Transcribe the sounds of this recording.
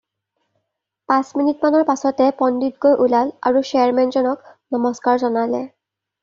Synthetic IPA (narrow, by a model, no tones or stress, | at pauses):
pãsminitmanɔɹpasɔtɛpɔnditɡojʔulala̰ɹuʃɛaɹmɛnzɔnɔknɔmɔskaɹzɔnalɛ